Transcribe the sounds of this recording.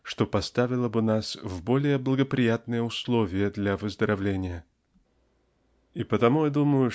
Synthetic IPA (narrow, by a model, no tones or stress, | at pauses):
ʂt̪o̞pɐst̪avʲɪlˠəbɨnasvbo̞lʲɪjəblˠəɡəpɾʲɪjat̪nɨjəʊslˠovʲɪjəd̪lʲavəzd̪əɾʔɐvlʲenʲɪjə | ipət̪ɐmujad̪uməjʊ